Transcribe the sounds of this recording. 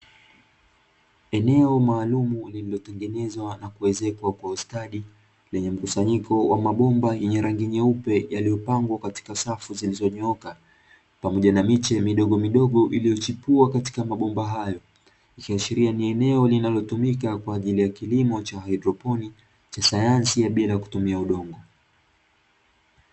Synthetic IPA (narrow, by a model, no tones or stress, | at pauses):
ɛnɛɔmaːlumulililɔtɛŋɡɛnɛzwanakuɛzɛkwakwaustaɗi | lɛɲɛm̩kusaɲikʰɔwʔamaɓɔmbajɛɲɛɾaŋɡiɲɛupɛjalijɔpaŋɡwakati̥kasafuzilizɔɲɔka | pamɔʄanamit͡ʃɛmiɗɔɠɔmiɗɔɠɔʔilijɔt͡ʃipuakati̥kamaɓɔmbaɦajɔ | ikiaʃiɾianiɛnɛɔlinalɔtumik̬akwaːʄilijakilimɔt͡ʃahaidɾɔpɔni | t͡ʃasajansijaɓilajaku̥tumiauɗɔŋɡɔ